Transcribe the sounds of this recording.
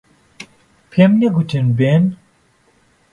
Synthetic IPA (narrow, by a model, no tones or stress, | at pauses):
pʰemneɡutʰɨnben